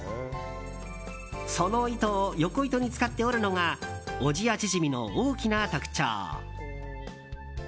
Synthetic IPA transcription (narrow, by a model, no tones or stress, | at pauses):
so̞no̞it̪ojo̞ko̞it̪o̞ɲ̟it͡sɨ̥kat̪ːe̞oɾɯ̟no̞ŋaoʑiat͡ɕiʑimʲino̞̰oːkʲinat̪akɯ̟̥t͡ɕa̰ː